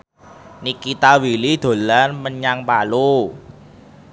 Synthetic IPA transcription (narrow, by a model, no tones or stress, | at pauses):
nikit̪awilid̪̥o̤lanməɲaŋpalu